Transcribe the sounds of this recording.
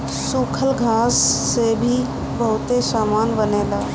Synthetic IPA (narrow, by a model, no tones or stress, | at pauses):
suːkʰəlɡʱaːsːebʱi | bəɦʊt̪esaːmaːnbəneːlaː